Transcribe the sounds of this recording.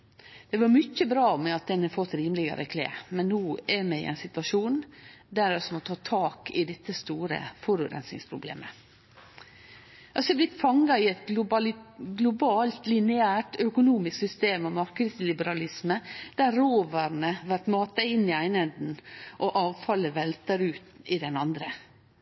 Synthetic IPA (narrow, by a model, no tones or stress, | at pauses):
d̪̥ɛʋɑɾmʏçəbɾɑːmɛɑt̪̚d̪ɛnəfɔt̪ːɾiːmlɪɡə̰ɾʔə̰kʰlḛːmɛnːuːɛɾmɛɪ̰ʔɛ̰ɪnsɪt̪ʋɑʂuːnd̪æɾɛsɔmɔt̪ʰɑːt̪ʰɑːkɪd̪ɛt̪ːəst̪uːɾə̰fɔɾʉɡɾɛ̰nsɪ̰ŋspʰɾʊblḛːmə | ɑsɛblɪt̪ːfɑŋɑɪɛt̪ | ɡlʊbɑːlt̪lɪnɛæːʈœkʊnuːmɪsksʏst̪eːmɑʋmɑɾkəd̪slɪbəɾɑlɪsməd̪̥æɾɾoːʋəɾnəʋæʈmɑːt̪əɪnːɪæɪnhənd̪n̩ʔɔʔɑːʋfɑlːəʋɛlt̪əɾʉːt̪ɪd̪ɛnɑnd̪ɾə